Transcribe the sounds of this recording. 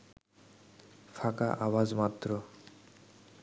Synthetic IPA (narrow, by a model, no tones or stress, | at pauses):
fakaʔawazmat̪ːɾo